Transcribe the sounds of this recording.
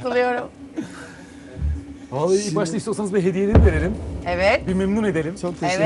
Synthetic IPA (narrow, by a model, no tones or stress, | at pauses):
ɯlˠɯjo̞ɾum | valˠːaibaʃt̪ˠaiʃst̪osanɯzbiɦe̞d̪ijelʲinive̞ɾelʲimɛvɛt̪bimemnune̞d̪elʲimt͡ʃʰok̚t̪ʰe